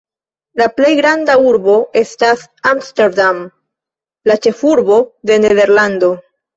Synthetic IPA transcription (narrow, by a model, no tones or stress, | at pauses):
laple̞jɡɾandauɾbo̞e̞stas | amsteɾdam | lat͡ʃe̞fuɾbo̞d̪e̞neðe̞ɾland̪o̞